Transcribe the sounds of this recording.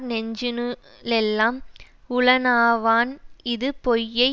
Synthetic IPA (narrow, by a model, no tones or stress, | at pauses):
ɾnɛɲd͡ʒɯnɯ | lɛlːaːm | ʊɭɐnaːʋaːnɪðɯpɔjːɐɪ